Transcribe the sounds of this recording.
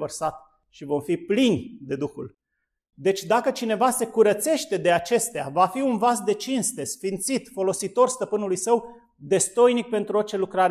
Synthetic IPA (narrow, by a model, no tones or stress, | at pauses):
vərsat̪ | ʃivo̞mfiplinʲd̪e̞d̪uxul | d̪e̞t͡ʃʲd̪akət͡ʃine̞vase̞kuɾət̪se̞ʃt̪e̞d̪e̞at͡ʃe̞st̪eavafiunvasd̪e̞t͡ʃinst̪e̞sfint̪sit̪fo̞lo̞sit̪o̞rst̪əpɨnulujsəw | d̪e̞st̪o̞jnik̚pe̞nt̪ɾuo̞rt͡ʃe̞lukɾaɾ